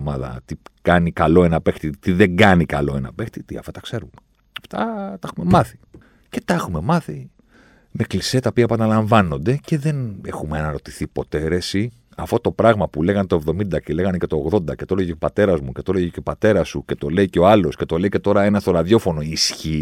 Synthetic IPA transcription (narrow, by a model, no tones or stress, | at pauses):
mɐðɐ̰t̪ikɐnikɐlo̞e̞nɐpe̞xt̪it̪iðeŋɡɐnikɐlo̞e̞nɐ̰pext̪it̪iɐ̰ft̪ɐt̪ɐkse̞ɾume | ɐft̪ɐt̪ɐɐxume̞mɐθi̥ | ce̞̥t̪ɐexume̞mɐθi | me̞kliset̪ɐopiɐpɐnɐlɐɱvɐno̞nd̪e̞ce̞ðe̞ne̞xumeɐnɐɾo̞t̪iθipo̞t̪e̞ɾe̞si | ɐfo̞t̪o̞pɾɐɣmɐpuleɣɐnt̪oe̞vðo̞mind̪ɐcele̞ɣɐnece̞t̪o̞ːɣðo̞nd̪ɐcet̪o̞leʝeopɐt̪e̞ɾɐzmuce̞t̪oleʝeceo̞pɐt̪e̞ɾɐsuce̞t̪o̞leiceo̞ɐlo̞sce̞t̪o̞leice̞t̪o̞ɾɐe̞nɐst̪olɐðjo̞fo̞no̞isçi